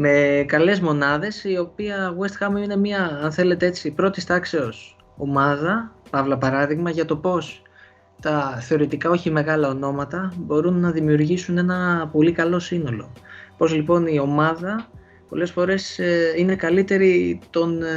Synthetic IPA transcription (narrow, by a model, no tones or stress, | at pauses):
me̞kɐle̞zmo̞nɐðe̞sio̞piɐɣuest̪xɐmiine̞miɐɐnθe̞le̞t̪ee̞t͡sipɾo̞t̪ist̪ɐkse̞o̞s | o̞mɐðɐpɐvlɐpɐɾɐðiɣmɐʝɐt̪o̞po̞s | t̪ɐθe̞o̞ɾit̪ikɐo̞çime̞ɣɐlɐo̞no̞mɐt̪ɐbo̞ɾunːɐðimiuɾʝisune̞nɐpo̞likɐlo̞sino̞lo̞̰po̞zlipo̞nio̞mɐðɐ | po̞̰le̞sfo̞ɾe̞sine̞kɐlit̪e̞ɾit̪o̞n